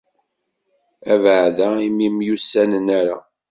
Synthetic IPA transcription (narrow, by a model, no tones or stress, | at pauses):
ævʕðæimimjusːænənæɾa̰